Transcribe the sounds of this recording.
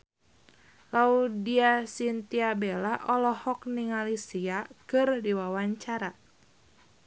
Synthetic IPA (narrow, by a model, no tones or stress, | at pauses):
laudiasint̪iabelaʔɔlɔhɔk̚niŋalisiakɨrdiwawaɲt͡ʃaɾa